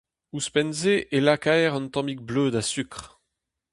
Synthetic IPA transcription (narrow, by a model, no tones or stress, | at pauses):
uspɛnzeʔelakaɛʁɑ̃nt̪ɑ̃mik̚blød̪asykχ